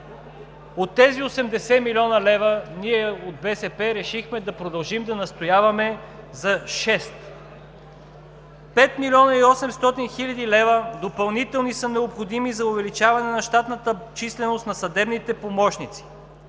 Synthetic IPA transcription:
ot̪ːɛziosɛmd̪ɛsɛmilʲiɔnɐlɛvəniɛod̪̚bɛsɛpɛɾɛʃixmɛd̪ɐpɾod̪ɐlˠʒimd̪ɐnɐst̪ojavɐmɛ | zɐʃɛst̪ | pɛt̪milʲɔnɐiɔsɛmst̪ɔt̪inxilʲɐd̪ilɛvəd̪opɐlˠnit̪ɛlˠnisənɛopxod̪imizɐovɛlit͡ʃavɐnɛnɐʃt̪at̪nət̪ət͡ʃislɛnost̪nɐsɐd̪ɛbnit̪ɛpomɔʃnit̪si̥

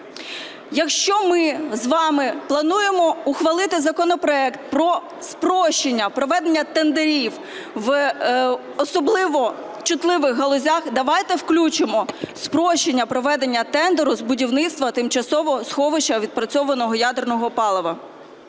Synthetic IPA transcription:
jɐkʃt͡ʃɔmɪzʋɑmɪplˠɐnujemɔʊxʋɐlˠɪt̪ɪzɐkɔnɔpɾɔɛkt̪̚pɾɔ | spɾɔʃt͡ʃenʲːɐpɾɔʋɛd̪enʲːɐt̪end̪eɾʲiw | ʋ | ɔsɔblˠɪʋɔ | t͡ʃʊt̪lˠɪʋɪxɦɐlˠɔzʲaxd̪ɐʋɑjt̪ɛwklʲut͡ʃɪmɔspɾɔʃt͡ʃenʲːɐpɾɔʋɛd̪enʲːɐt̪ɛnd̪eɾʊzbʊdʲiwnɪt̪st̪ʋɐt̪ɪmt͡ʃɐsɔʋɔsxɔʋɪt͡ʃɐʋʲid̪̚pɾɐt͡sʲɔʋɐnɔɦɔjad̪ernɔɦɔpɑlˠɔʋɐ

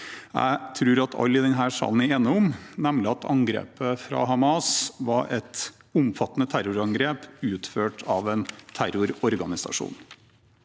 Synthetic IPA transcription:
jæ̰ɪt̪ʰɾʉːɾɑt̪ʰɑ̰lːɪd̪ɛnɦæːʂɑ̰ːln̩ɪeːnəʊmnɛmlɪɑt̪ʰɑŋɡɾḛːpəfɾɑ̰ɦɑmɑsʋɑɾʔɛt̪ | ʊmfɑt̪ːənət̪ʰæɾʊɾɑŋɡɾeːpʉːt̪føːʈʰɑʋɛnt̪ʰæɾʊɾɔɾɡɑnɪsɑ̰ʂṵːn

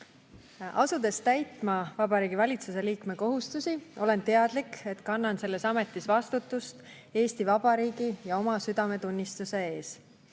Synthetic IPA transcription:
ɑ̰sud̪̥e̞st̪æjt̪mɑvɑb̥ɑɾiːɡ̥ivɑlʲit̪suse̞liːkme̞ko̞ɦust̪usio̞le̞nt̪e̞ɑd̪̥like̞t̪kɑnːɑnse̞lːe̞sɑme̞t̪ːˑisvɑst̪ut̪ːˑust̪ | e̞ːst̪ivɑb̥ɑɾiːɡijɑo̞mɑsyd̪̥ɑme̞t̪unʲːist̪use̞e̞ːs

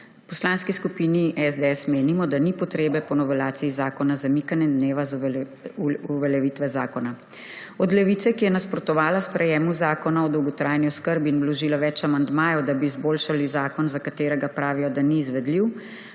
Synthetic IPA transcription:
pɔslanskiskupiːniʔɛzd̪eɛsmeːnimɔd̪anipɔt̪ɾeːbɛpɔnɔʋɛlaːt̪siizaːkɔnazamikanjɛnd̪neːʋaz | uʋɛljɛʋit̪ʋɛzaːkɔna | ɔd̪lɛʋiːt̪sɛkijɛnaspɾɔt̪ɔʋaːlaspɾɛjɛːmuzaːkɔnaɔd̪ɔwɡɔt̪ɾaːjniɔskəɾbiːnblɔʒiːlaʋɛt͡ʃamand̪maːjɔd̪abiːzboːlʃalizaːkɔnzakat̪eːɾɛɡapɾaːʋijɔd̪aniːzʋɛd̪liw

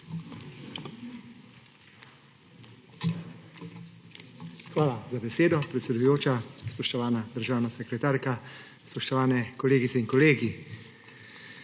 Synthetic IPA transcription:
xʋaːlazabɛseːd̪ɔpɾɛt̪sʲɛd̪ujoːt͡ʃaspɔʃt̪ɔʋaːnad̪əɾʒaːwnasɛkɾɛt̪aːɾka | spɔʃt̪ɔʋaːnɛkɔleːɡit̪sɛinkɔleːɡi

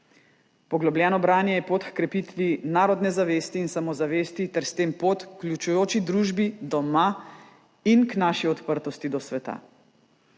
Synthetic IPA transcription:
pɔɡlɔblʲjɛːnɔbɾaːnjɛjɛpot̪kkɾɛpit̪ʋinaːɾɔd̪nɛzaʋeːst̪iːnsamɔzaʋeːst̪it̪ɛɾst̪eːmpoːt̪klʲjut͡ʃujoːt͡ʃid̪ɾuːʒbid̪ɔma | inknaːʃiɔt̪pəɾt̪ɔst̪id̪ɔsʋɛt̪a̰

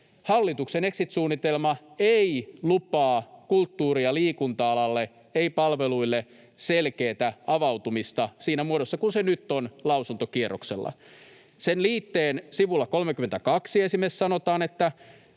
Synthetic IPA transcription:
hɑlːit̪uksene̞ksit̪suːnːit̪elmɑeilupɑːkult̪ːuːɾiɑliːkunt̪ɑɑlɑlːe | eipɑlʋeluilːe | selkeːt̪æɑʋɑwt̪umist̪ɑsiːnæmuoɾosːɑkunsenyt̪ːonlɑuwsunt̪okierokselːɑ̰ | senliːt̪ːeːnsiʋulːɑkolmekymːent̪ækɑksiesimessɑnot̪ɑːnet̪ːæ

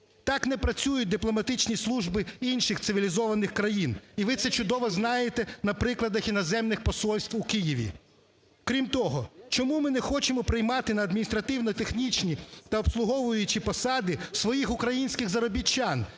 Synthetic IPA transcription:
t̪ɑknɛpɾɐt͡sʲujʊt̚ʲd̪ɪplˠɔmɐt̪ɪt͡ʃnʲislˠuʒbɪinʃɪxt̪ɪʋʲilʲizɔʋɐnɪxkɾɐjiniʋɪt̪sɛt͡ʃʊd̪ɔʋɔznɑjet̪ɛnɐpɾɪklˠɐd̪ɐxinɔzɛmnɪxpɔsɔlʲsʲt̪ʋʊkijiʋʲḭ | kɾʲimt̪ɔɦɔt͡ʃɔmumɪnɛxɔt͡ʃɪmɔpɾɪjmɑt̪ɪnɐːd̪mʲinʲist̪ɾɐt̪ɪwnɔt̪exnʲit͡ʃnʲit̪ɐɔpslˠʊɦɔʋʊjʊt͡ʃipɔsɑd̪ɪsʋɔjixʊkɾɐjinʲsʲkɪɣzɐɾɔbʲit͡ʃːɑn

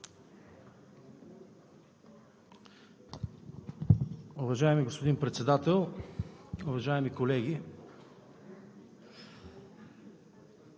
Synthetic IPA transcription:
ʊvɐʒaɛmiɡospod̪inpɾɛt̪sɛd̪at̪ɛlˠ | ʊvɐʒaɛmikolɛɡi

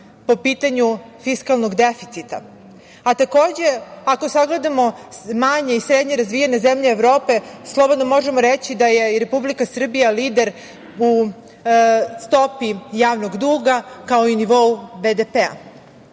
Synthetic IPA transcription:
popiːt̪aɲu | fiskalˠnoɡd̪efit̪sit̪a̰ | at̪ako̞ːd͡ʑe̞akosaɡle̞d̪amo̞maɲe̞isɾed̪ɲe̞ɾazʋijene̞zemʎeːʋɾo̞ːpe̞slˠo̞bo̞d̪nomo̞ʒe̞moɾet͡ɕid̪aje̞ɾe̞publikasr̩bijaliːd̪e̞ɾ | u | st̪o̞pijaːʋnoɡd̪uːɡakao̞iniʋo̞ubed̪epea̰

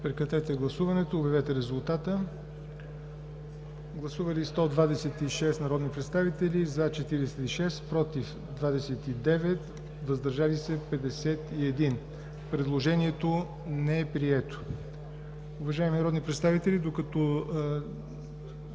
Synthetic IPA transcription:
pɾɛkɾɐt̪ɛt̪ɛɡlˠɐsuvɐnɛt̪oːbɐvɛt̪ɛɾɛzulˠt̪at̪ə | ɡlˠɐsuvəlist̪ɔd̪vad̪ɛsɛt̪iʃɛst̪nɐɾɔd̪nipɾɛt̪st̪avit̪ɛlizɐt͡ʃɛt̪iɾɛsɛt̪iʃɛst̪pɾɔt̪if | d̪vad̪ɛsɛt̪id̪ɛvɛt̪ | vɐzd̪ɐɾʒalisɛpɛd̪ɛsɛt̪iɛd̪in | pɾɛd̪lˠoʒɛniɛt̪o | nɛɛpɾiɛt̪o̥ | ʊvɐʒaɛminɐɾɔd̪nipɾɛt̪st̪avit̪ɛlid̪okɐt̪ɔ

